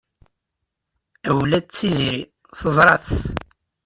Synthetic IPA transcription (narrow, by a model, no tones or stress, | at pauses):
æwlæt͡sːiziɾi | θəzˤɾˤɑθ